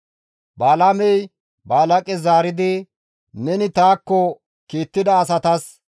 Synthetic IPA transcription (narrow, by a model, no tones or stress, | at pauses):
baːlɐmɛj | baːlɐkʼɛzaːɾɪd̪ɪ | nɛnɪt̪aːkːɔ | kiːt̪ːɪd̪ɐːs̬ɐt̪ɐs